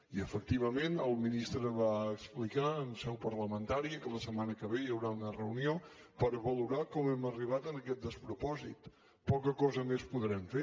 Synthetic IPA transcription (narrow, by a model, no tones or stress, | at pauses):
iəfək̚t̪iβ̞əmenəlˠminist̪ɾəβaəksplikaənsɛwpəɾləmənt̪aɾiəkələsəmanəkəβejəwɾaunərəunio | pəɾəβəluɾakɔmɛməriβ̞at̪ənəkɛt̪̚d̪əspɾupɔzit̪ | pɔkəkɔzəmespuðɾɛmfe